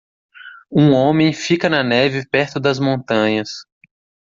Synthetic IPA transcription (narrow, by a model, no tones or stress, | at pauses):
ũõmẽj̃fikɐnɐnɛvɪpɛɾt̪ʊd̪ɐzmõnt̪ɐ̃ɲɐs